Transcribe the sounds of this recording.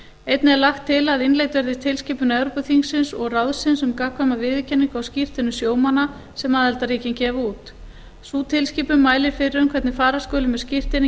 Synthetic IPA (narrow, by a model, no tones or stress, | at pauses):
ejt̪nɪɛɾlaxt̪ʰːɪlaðɪnlejt̪vɛɾðɪst̪ʰɪlsciːpʏnɛvɾopʏθiŋsɪnsɔɣrawðsɪnsʏmkaːkʰvamavɪðɪcʰɛnːiŋkawscɪr̥t̪ɪnʏsjoːwmana | sɛmaðhɛlt̪ariːcɪncɛːvauːt̪ | suːt̪ʰɪlsciːpʏmːaːjlɪɾ̥fɪɾɪɾʏmkʰvɛt̪nɪfaːɾaskoːlɪmɛðscɪr̥t̪ɪnɪ